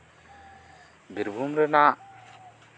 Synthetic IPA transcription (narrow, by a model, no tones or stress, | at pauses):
bʱiɾbʱumɾɛnaʔ